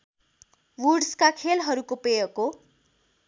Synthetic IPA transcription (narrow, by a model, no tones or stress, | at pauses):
wuɖskakʰelɦʌɾukopejʌko